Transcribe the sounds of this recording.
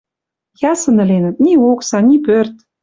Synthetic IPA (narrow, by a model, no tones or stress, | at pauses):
jɑsɤ̆nɘ̆lʲenə̆t̪nʲioksɑnʲipørt̪